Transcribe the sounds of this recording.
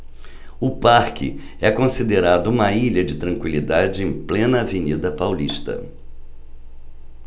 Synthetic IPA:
ʊpaɾkɪ̰ | ɛkõsid̪eɾad̪ʊũmɐiʎɐd͡ʒɪt̪ɾɐ̃ŋkwilid̪ad͡ʒɪẽj̃plẽnɐːvenid̪ɐpawliʃt̪ɐ̰

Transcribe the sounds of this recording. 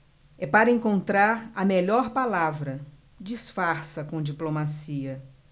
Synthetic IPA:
ɛpaɾɐẽŋkõnt̪ɾaɾɐmeʎɔɾpalavɾɐ | d͡ʒisfaɾsɐkõd͡ʒiplomasiɐ

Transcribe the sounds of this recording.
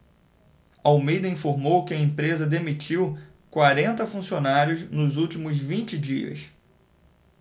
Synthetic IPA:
ɐomejd̪ɐĩfoɾmowkɪɐẽmpɾezɐd̪emit͡ʃiw | kwaɾẽnt̪ɐfũsionaɾjʊznʊzuwt͡ʃimʊzvĩnt͡ʃɪd͡ʒiɐ̰s

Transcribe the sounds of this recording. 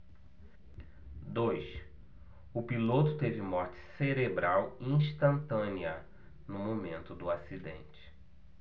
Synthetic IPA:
d̪ojs | ʊpilot̪ʊt̪evɪmɔɾt͡ʃɪ̥seɾebɾawĩʃt̪ɐ̃nt̪ɐ̃niɐ | nʊmomẽnt̪ʊd̪ʊasid̪ḛ̃nt͡ʃɪ̥

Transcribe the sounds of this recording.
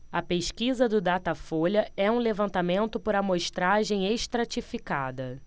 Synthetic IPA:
ɐpeʃkizɐd̪ʊd̪at̪ɐfoʎɐɛũlevɐ̃nt̪amẽnt̪ʊpʊɾɐmoʃt̪ɾaʒẽj̃eʃt̪ɾat͡ʃifikad̪ɐ

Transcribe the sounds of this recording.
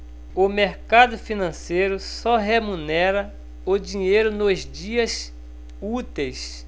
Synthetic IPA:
ʊmeɾkad̪ʊfinɐ̃sejɾʊsɔɦemunɛɾɐ | ʊd͡ʒĩɲejɾʊnozd͡ʒiɐs | ut̪ejs

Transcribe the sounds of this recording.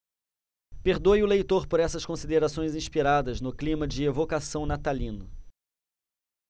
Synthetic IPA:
peɾd̪ojʊlejt̪oɾpoɾɛsɐskõsid̪eɾasõj̃zĩʃpiɾad̪ɐznʊklĩmɐd͡ʒɪevokasɐ̃w̃nat̪alĩnʊ

